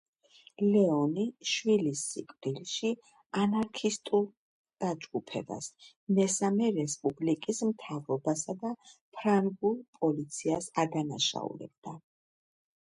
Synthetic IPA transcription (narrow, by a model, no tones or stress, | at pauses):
lɛɔniʃwilisːḭkʼvɾilʃi | anaɾkʰist̪ʼulˠ | d̪̥ad͡ʒɡupʰɛ̰ba̰s | mɛsamɛɾɛspʼublikʼismt̪ʰavɾɔbasad̪apʰɾaŋɡulˠpʼɔlit̪sʰiasad̪anaʃa̰ṵɾɛ̰b̥̚d̪̥a